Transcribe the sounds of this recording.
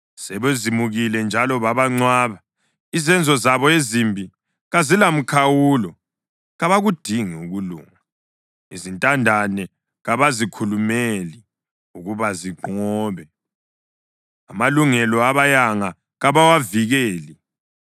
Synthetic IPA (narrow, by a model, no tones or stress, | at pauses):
sɛβezimuɣilɛnd͡ʒʱalɔβaβaŋ͡ǀwaβa | izɛnd͡zʱɔzaβɔezimbʱi | ɣazilam̩kʰawuːlɔ | ɣaβaɣud̥ʱiŋiuɣulṵːŋa | izintʼandʱanɛ | ɣaβazikʰulumeli | uɣuβaziǃɔːβɛ | amaluŋɛlɔaβajaŋa | ɣaβawaviɣɛːli